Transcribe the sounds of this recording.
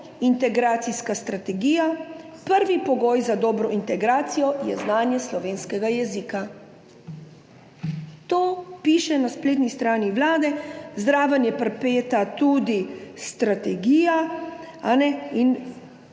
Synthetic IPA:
int̪ɛɡɾaːt̪siskast̪ɾat̪ɛɡiːja | pəɾʋipɔɡoːjzad̪ɔːbɾɔʔint̪ɛɡɾaːt̪sijɔjɛ̰znaːnjɛslɔʋeːnskɛɡajɛziːka | t̪oːpiːʃɛnaspleːt̪nist̪ɾaːniʋlaːd̪ɛzd̪ɾaːʋənjɛpɾpeːt̪at̪ud̪ist̪ɾat̪ɛɡiːjaanɛin

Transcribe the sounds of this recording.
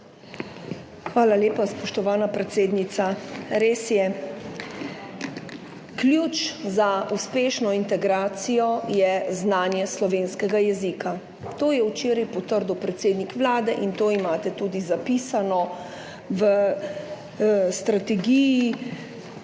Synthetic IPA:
xʋaːlaleːpaspɔʃt̪ɔʋaːnapɾɛt̪seːd̪nit̪saɾeːsjɛ | klʲjut͡ʃzauspeːʃnɔint̪ɛɡɾaːt̪sijɔjɛznaːnjɛslɔʋeːnskɛɡajɛzika | t̪oːjɛwt͡ʃeːɾajpɔt̪əɾd̪uwpɾɛt̪seːd̪nikʋlaːd̪ɛʔint̪oːimaːt̪ɛt̪uːd̪izapiːsanɔ | ʋə | st̪ɾat̪ɛɡiji

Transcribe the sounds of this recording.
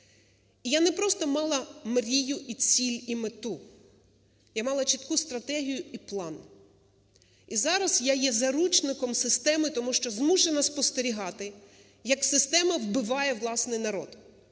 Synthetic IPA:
ijanɛpɾɔst̪ɔmɑlˠɐmɾʲijʊʔit͡sʲilʲimet̪u | jamɑlˠɐt͡ʃit̪kust̪ɾɐt̪ɛɦʲijʊiplˠɑn | izɑɾɐsjajɛzɐɾut͡ʃnɪkɔmsɪst̪ɛmɪt̪ɔmuʃt͡ʃɔzmuʃenɐspɔst̪eɾʲiɦɑt̪ɪ | jɐksɪst̪ɛmɐwbɪʋɑjɛwlˠɑsnɪjnɐɾɔ̰d̪

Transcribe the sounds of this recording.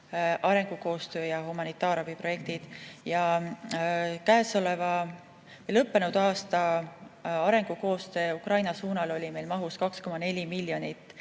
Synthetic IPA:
ʔɑɾe̞ŋɡ̥uko̞ːst̪ø̞ːjɑhumɑnit̪ːˑɑːɾɑb̥ipro̞je̞k̚t̪id̪̥jɑ | kæeso̞levɑ | vejlɤpːe̞nud̪̥ɑːst̪ɑ | ɑɾe̞ŋɡ̥uko̞ːst̪ø̞ːukrɑjnɑsuːnɑlo̞lʲime̞jlmɑɦuskɑksko̞mɑne̞lʲimilʲːjo̞nit̪ːˑ

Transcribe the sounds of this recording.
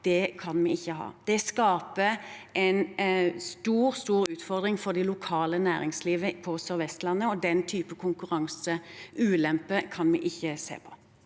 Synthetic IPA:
d̪̥ɛkʰɑnmɛɪçːəɦɑ̰ːd̪̥ɛskɑːpəʔɛɪnst̪uːʁst̪uːʁʉːt̪fɔʁd̪ʁɪŋfɔd̪ɪlʊkʰɑːlənæːʁɪŋsliːʋəpʰɔsœʁʋɛst̪lɑnːəɔd̪ɛnt̪ʰyːpəkʰʊŋkʉʁɑŋsəʉːlɛmpəkʰɑnmɛʔɪçːəsḛːpʰɔ̥

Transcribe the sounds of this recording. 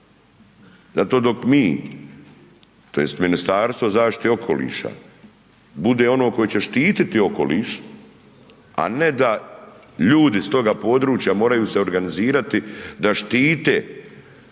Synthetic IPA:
zat̪o̞ːd̪o̞kmiː | t̪o̞je̞st̪minist̪aːɾst̪vozaːʃt̪i̥t̪eo̞kʰo̞̰lḭːʃa̰ | bud̪eːo̞noko̞jet͡ɕe̞ʃt̪iːt̪it̪io̞ko̞lḭːʃ | a̰ne̞d̪a | ʎuːd̪ist̪o̞ɡapo̞ːd̪ɾuːt͡ʃjamo̞ːɾajuːse̞o̞ɾɡaniziːɾat̪id̪aʃt̪iːt̪ḛː

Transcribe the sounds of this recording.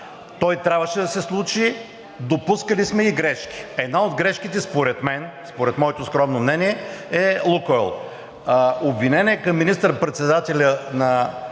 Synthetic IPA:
t̪ɔjt̪ɾʲabvəʃɛd̪ɐsɛslˠut͡ʃi | d̪opuskəlismɛiɡɾɛʃkʲi̥ɛd̪naod̪ɡɾɛʃkit̪ɛspoɾɛt̪mɛnspoɾɛt̪mɔɛt̪oskɾɔmnomnɛniɛɛlˠukɔɛlˠ | obvinɛnɛɛkɐmːinist̪əɾpɾɛt̪sɛd̪at̪ɛlʲənɐ

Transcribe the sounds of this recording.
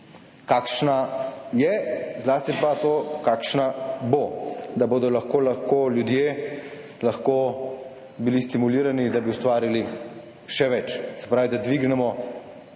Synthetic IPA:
kaːkʃnajɛzlaːst̪ipat̪oːkakʃnabod̪aboːd̪ɔlaxkoːlaxkoljud̪jeː | laxkoː | bilist̪imuliːɾanid̪abiust̪ʋaːɾili | ʃɛʋɛt͡ʃsɛ̥pɾaːʋid̪ad̪ʋiɡnɛmɔ

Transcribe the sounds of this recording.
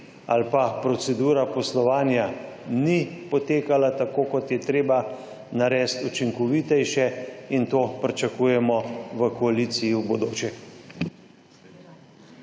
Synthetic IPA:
a̰lpapɾɔsɛd̪uːɾapɔslɔʋaːnja | nipɔt̪eːkalat̪akoːkɔt̪jɛt̪ɾeːba | naɾɛːst̪ut͡ʃiŋkɔʋit̪ɛjʃɛint̪oːpɾit͡ʃakuːjɛmɔʋəkɔaliːt̪sijiwbɔd̪oːt͡ʃɛx

